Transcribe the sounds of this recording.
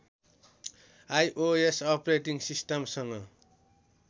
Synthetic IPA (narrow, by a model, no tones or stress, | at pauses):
ajʔoesʌpreʈiŋsisʈʌmsʌŋʌ